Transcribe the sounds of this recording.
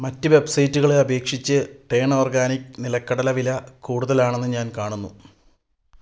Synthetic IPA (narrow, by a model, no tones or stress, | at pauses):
mɐtːɨʋe̞bsɐjtːuɣɐɭeɐbe̞ːkʂit͡ɕːɨʈeːɳo̞ːrɡaːniknilɐkːɐɽɐlɐʋilɐkuːɽuðɐlaːɳe̞nːɨɲaːnkaːɳunːu